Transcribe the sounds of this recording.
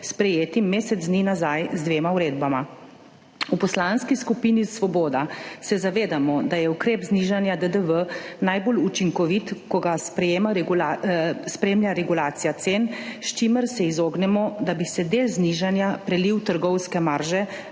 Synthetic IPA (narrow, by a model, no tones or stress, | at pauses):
spɾɛjeːt̪imːeːsɛd̪zd̪ninazajzd̪ʋeːmauɾeːd̪bama | upɔslanskiskupiːnisʋɔbɔːd̪asɛzaʋeːd̪amɔd̪ajɛukɾeːpzniʒanjad̪əd̪əʋənajbolut͡ʃiŋkɔʋit̪kɔɡaspɾɛjeːmaɾɛɡulaspɾemljaɾɛɡulaːt̪sijat̪senʃt͡ʃiməɾsɛizoːɡnɛmɔd̪abisɛd̪eːlzniʒanjapɾɛliwt̪əɾɡɔwskɛmaɾʒɛ